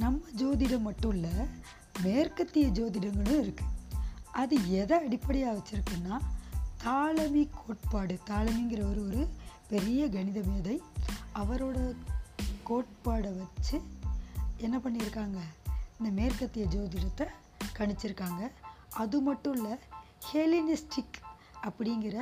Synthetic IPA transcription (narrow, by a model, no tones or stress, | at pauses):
nɐmːɐd͡ʒoːðɪɽɐmːɐʈːʊ̃lːɐ | meːɾkɐt̪ːɪjɐd͡ʒoːðɪɽɐŋɡɐɭʊ̃ɪɾɯkːɯʔɐðɯɛðɐɐɽɪpːɐɽɪjaːʋɐt͡ʃːɪɾɯkːɯnːaːt̪aːɭɐmikʰoːʈ̚paːɽɯt̪aːlɐmiŋɡɪɾɐɔɾɯɔɾɯpɛɾɪjɐɡɐɳɪðɐmeːðɐɪɐʋɐɾoːɽɐ | koːʈ̚paːɽɐʋɐt͡ʃːɯ | ɛnːɐpɐɳːɪɾɯkːaːŋɡɐɪnd̪ɐmeːɾkɐt̪ːɪjɐd͡ʒoːðɪɽɐt̪ːɐ | kɐɳɪt͡ʃːɪɾɯkːaːŋɡɐ | ʔɐðɯmɐʈːɯ̃ɭːɐ | heːlɪnɪsʈɪk | ɐpːɐɽɪŋɡɪɾɐ